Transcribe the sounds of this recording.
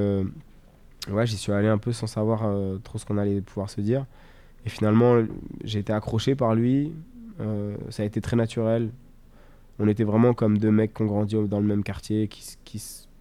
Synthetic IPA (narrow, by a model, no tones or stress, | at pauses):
ø | vwɛʒisɥialeɛ̃pøsɑ̃savwaʁøt̪χosə̥kɔ̃nalɛpʰuvwaʁsəd̪iʁ | efinalmɑ̃ʒeːt̪eakχɔʃepaʁlɥiø̰saːet̪et̪χɛnat̪yʁɛl | ɔ̃net̪ɛvʁɛmɑ̃kɔmd̪ømɛkːɔ̃ɡʁɑ̃d̪id̪ɑ̃ləmɛmkaʁt̪jekʰʲi̥skʲʰis